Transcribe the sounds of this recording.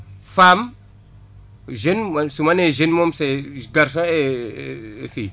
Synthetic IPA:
fam | ʒenmasumaneʒenmomseɡaɾs̬õe | fi

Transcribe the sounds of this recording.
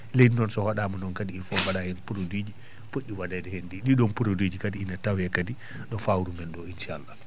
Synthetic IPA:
lejdinɔnsɔhɔɗaːmunɔnkadiːfɔwaɗahɛnpuɾodwid͡ʒi | poɗːiwadadɛhɛndiɗiɗɔnpuɾodwid͡ʒikadiinatawjɛkadi | ɗɔfawɾumɛnɗɔinʃalːa

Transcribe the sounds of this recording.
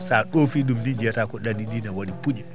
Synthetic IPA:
saɗofiɗumnid͡ʒɛtakɔɗandiɗinawaɗipud͡ʒɛ

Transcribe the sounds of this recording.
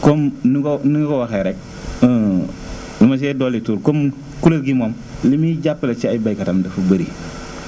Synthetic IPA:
komnniŋkowaxajɾɛk̚ | limas̬ɛdɔlituːɾkom | kuləɡimɔm | limiɟapːəlɐt͡ʃiabajikatamdɐfubəɾi

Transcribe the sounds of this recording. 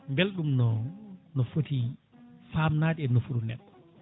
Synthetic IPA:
mbelɗumnɔnɔfotifaːmnaːɗiɛnːɔfuɗunɛɗːɔ̥

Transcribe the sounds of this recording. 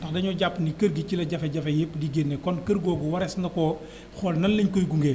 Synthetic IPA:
dɐxdɐɲɔɟapːnikɐɾɡicilɐɟɐfɛɟɐfejipːdiɡenːekɔnkɐɾɡɔːɡuwɐɾɛsnɐkɔː | xɔːlnɐnːiɲkojɡuŋɡeː

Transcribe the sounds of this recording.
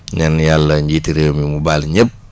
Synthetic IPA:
ɲanjalːəɲɟitiɾəːmimubalɲəp̚

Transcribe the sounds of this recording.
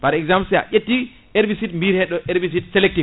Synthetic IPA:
paɾɛɡzampsɛa̰ʔʲetːi | eɾbisitmbiɾhɛɗɔʔeɾbis̬itsɛlɛk̚ti

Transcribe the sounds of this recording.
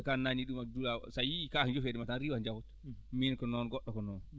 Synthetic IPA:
kanaɲiɗumadulasajiikahnd͡ʒofedɛmatanɾiːwand͡ʒawɔt | minkɔnɔnɡɔɗːɔkɔnɔn

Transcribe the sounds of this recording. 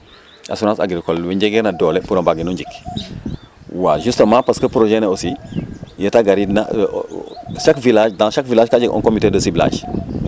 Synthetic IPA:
ʔa̰sunãsa̰ɡiɾikolwiɲɟeɡɛɾnadɔlepuɾãmbaɡinuɲd͡ʒik | waʒustəmãpaskəpɾoʒeneosijetaɡaɾina̰ | ʃakvilaʃdãʃakvilaːʃkad͡ʒiɡʔɔ̰nkomitedəsibila̰ːd͡ʒ

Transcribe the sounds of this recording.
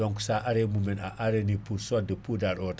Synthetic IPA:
ɔŋku̥saʔaɾemumɛna̰ʔaɾenipuɾsɔdəpudaɾɔt

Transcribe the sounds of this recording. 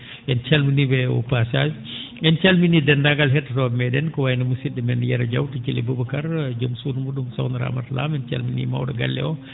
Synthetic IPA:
ʔɛnt͡ʃalminibɛwɔ̰pasaːd͡ʒi | ɛnt͡ʃalminidɛndaŋɡalɦɛtːatɔmɛdɛnkɔwajnamusidɛmɛnjɛɾad͡ʒawtit͡ʃilibubakaɾd͡ʒomsunmuɗumsawnaɾa̰matla̰mɛnt͡ʃa̰lminḭma̰wɗɔɡa̰lːɛ̰ɔ

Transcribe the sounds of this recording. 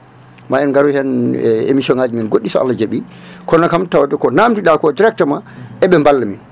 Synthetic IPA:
maɛnɡaɾuhɛnḛmisɔnaːd͡ʒiminɡoɗːisɔa̰lːad͡ʒeɓi | kɔnːakamtawadɛkɔnamdiɗakɔdiɾɛk̚tamaʔɛɓɛmbalːamin

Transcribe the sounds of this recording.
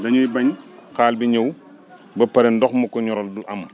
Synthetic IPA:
dɐɲujbɐɲxaːlbiɲəw | bɐpɐɾɛndɔxmɐkɔɲɔɾɔlduʔɐm

